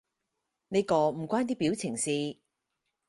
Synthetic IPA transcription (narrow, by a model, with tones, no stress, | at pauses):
ne˥kɔː˧m̩˨˩kʷaː˥nt̪̬iː˥piː˨˥wt͡sʰɪ˨˩ŋsiː˨˧